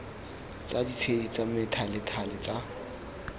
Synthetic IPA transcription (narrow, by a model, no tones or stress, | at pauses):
t͡sʼadit͡sʰedit͡sʼamɪtʰalɪtʰalɪt͡sʼa